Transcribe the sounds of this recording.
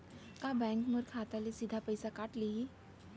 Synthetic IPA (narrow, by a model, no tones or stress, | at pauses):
kabɛ̃ŋkməɾkʰat̪alisid̪ʱapəjsakaːʈlie